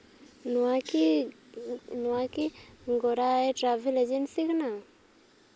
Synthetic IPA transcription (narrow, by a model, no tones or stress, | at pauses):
nuaki | nuakiŋɡoɾaeʈ͡ʂavilazenisikina